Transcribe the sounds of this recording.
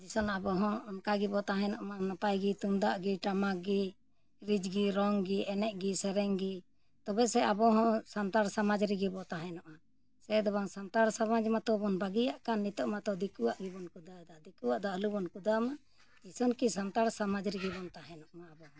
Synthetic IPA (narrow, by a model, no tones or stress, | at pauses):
d͡ʒisɔnabɔɦɔ̃ɔnkaɡibɔt̪aɦɛ̃nɔʔmanɔpajɡit̪uŋd̪aʔɡiʈamaɡi | ɾid͡ʒɡiɾɔŋɡiɛnɛʔɡisɛɾɛŋɡi | t̪ɔbɛsɛabɔɦɔ̃sant̪aɾsamad͡ʒɾiɡibɔt̪aɦɛ̃nɔʔma | sɛd̪ɔbaŋsant̪aɾsamad͡ʒmat̪ɔbɔnbaɡijaʔkanːit̪ɔʔmat̪ɔd̪ikuwaʔɡibɔnkud̪ad̪ad̪ikuwaʔd̪ɔəlubɔnkud̪ama | d͡ʒisɔnkisant̪aɾsamad͡ʒɾiɡibɔnt̪aɦɛ̃nɔʔmaːbɔhɔ̃